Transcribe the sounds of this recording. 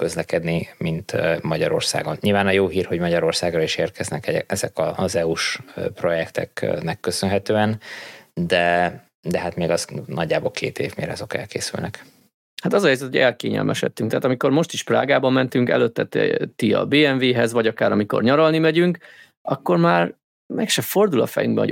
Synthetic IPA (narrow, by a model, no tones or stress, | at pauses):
køzlɛkɛd̪nimint̪mɒɟɒ̰ɾo̞̰rsa̰ːɡo̞nɲilvaːnɒjoːɦiːrho̞ɟmɒɟɒɾo̞rsaːɡrɒiʃeːrkʰɛznɛkɛɛɛzɛkɒzɛuʃpro̞jɛkt̪ɛ̰knɛkːøsønɦɛt̪øːɛnd̪ɛ | d̪ɛɦat̪meːɡɒznɒɟːaːboːlkʰḛːt̪ḛːvmḛːɾɒzo̞kɛ̰lkeːsy̰lnɛk | hat̪ɒzɒɦɛjzɛt̪hoɟɛlkḛːɲɛ̰lmʔɛʃɛ̰t̪ːyŋkt̪ɛaːt̪ɒmiko̞rmo̞ʃt̪iʃpra̰ːɡaːbɒmːɛnt̪yŋkɛ̰løt̪ːɛt̪t̪iɒ̰beːɛɱveːɦɛzvɒɟɒkaːɾɒmiko̞̰rɲɒɾɒlnimɛɟyŋk | ɒkːo̞rmaːr | mɛkʃɛfo̞rd̪ulɒfɛ̰jyŋɡbɛ̰ɦo̰ɟ